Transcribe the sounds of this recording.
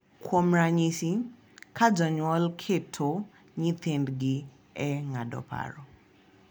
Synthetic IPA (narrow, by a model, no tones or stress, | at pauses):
kʰwomɾaɲisi | kʰad͡ʒɔɲwɔlkʰetʰo | ɲit̪endɡɪ | ɛŋadɔ̰pʰa̰ɾɔ